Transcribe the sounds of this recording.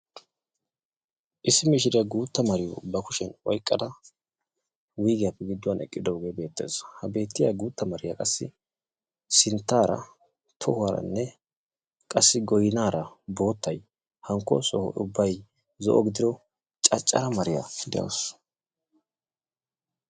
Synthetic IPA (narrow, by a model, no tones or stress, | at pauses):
ʔɪsːɪmɪʃ̬ɪɾɪɐɡuːt̪ːɐmɐɾɪjɔ̰bɐkʊʃɛnɔjkʼːɐd̪ɐ | wijɡɪjapːɛɡɪd̪ːʊwɐnɛ̰kʼːɪd̪ɔɡeːbe̞ːt̪ːeːshɐbe̞ːt̪ːɪjaɡuːt̪ːɐmɐɾɪjakʼɐsːɪ̰ | sɪnt̪ːaːɾɐ̰ | t̪ʰɔhʊwaːɾɐ̰nːɛ | kʼɐsːɪɡɔjɪnaːɾɐbo̞ːt̪ːɐj | hɐŋkːɔ̰sɔhɔ̰ʊbːɐj | zɔ̰ʔɔɡɪd̪ɪd̪ɔ | t͡ʃʼɐt͡ʃʼːɐɾɐmɐɾɪja̰d̪ɛ̰jɐ̰s